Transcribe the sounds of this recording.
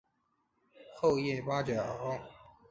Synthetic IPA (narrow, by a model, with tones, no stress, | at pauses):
xo˥˧ʊjɛ˥˩fa˥t͡ɕjɑ˨˩˦ʊ